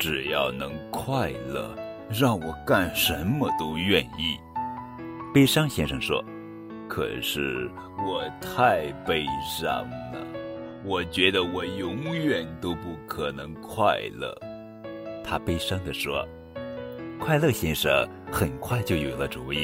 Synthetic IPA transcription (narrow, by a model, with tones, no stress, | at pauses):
ʈ͡ʂɻ̩˨˩jɑ˥˩ʊnɤ˧˥ŋkʰwa˥˧ɪlɤ̰˥˩ | ɻɑ˥˩ŋwɔ˨˩ka˥˩nʂə˧˥nmə˧t̪o˥ʊɥɛ˥˧ni˥˩ | pe˥ɪʂɑ˥ŋɕjɛ˥nʂɤ˧˩ŋʂwɔ̰˥ | kʰɤ̰˨˩ʂɻ̩˥˩ | wɔ˨˩t̪ʰa˥˩ɪpe˥ɪʂɑ̰˥˩ŋnə̰˩ | wɔ˨˩t͡ɕɥɛ˧˥d̪ə˧wɔ˨˩jʊ˧˥ŋɥɛ˨˩nt̪o˥ʊpu˥˩kʰɤ˨˩nɤ˧˥ŋkʰwa˥˧ɪlə̰˥˩ | t̪ʰa˥pe˥ɪʂɑ˥ŋd̪ə˨ʂwɔ̰˥ | kʰwa˥˧ɪlɤ˥˧˩ɕjɛ˥nʂə̰˥˩ | xə˨˩nkʰwa˥˩ɪt͡ɕjo˥˩ʊjo˨˩ʊlə˦ʈ͡ʂu˨˧˥i˥˩